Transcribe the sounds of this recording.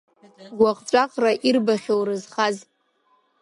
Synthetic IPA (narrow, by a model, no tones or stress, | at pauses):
ɡʷaqʼʈ͡ʂʷʼaqʼraʔirbaχʲowrɨzχaz